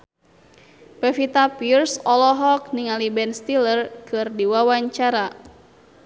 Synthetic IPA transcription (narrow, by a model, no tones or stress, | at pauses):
pɛfit̪apirsɔlɔɦɔk̚niŋalibɛnst̪ilərkɨrdiwawaɲt͡ʃaɾa